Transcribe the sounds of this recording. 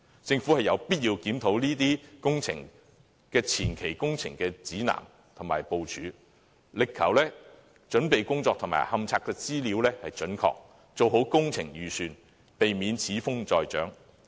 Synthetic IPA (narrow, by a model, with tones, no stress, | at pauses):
t͡sɪ˧ŋfuː˨˥hɐ˨jɐ˨˧wpiː˥t̚jiː˧wkiː˨˥mt̪ʰo˨˥wliː˥t̪iː˥kʊ˥ŋt͡sʰɪ̰˨˩ŋ | kɛː˧t͡sʰiː˨˩nkʰe˨˩jkʊ˥ŋt͡sʰɪ̰˨˩ŋkɛː˧t͡siː˨˥na̰ː˨˩m | t̪ʰʊ˨˩ŋmaː˨˩jpo˨wt͡ʃʰyː˨˧ | lɪ˨kʰːɐ˨˩wlɛː˥ | t͡ʃɵ˨˥npe˨jkʊ˥ŋt͡sɔː˧k̪̚ʰʊ˨˩ma̰ː˨˩jhɐ˨˧mt͡sʰaː˧kːɛː˧t͡siː˥liː˨˧wlɛː˥hɐ˨jt͡ʃɵ˨˥nkʰɔ̰ː˧k̚ | t͡so˨wɦo˨˥wkʊ˥ŋt͡sʰɪ˨˩ŋjyː˨˩syː˨n | pe˨jmiː˨˧nt͡sʰiː˨˥fʊ˥ŋt͡sɔː˨˧jt͡ʃœ̰ː˨˥ŋ